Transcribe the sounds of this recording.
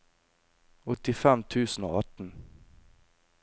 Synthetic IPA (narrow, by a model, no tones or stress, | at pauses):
ɔt̪ːɪfɛmt̪ʰʉːsəno̰ːɑʈ̪n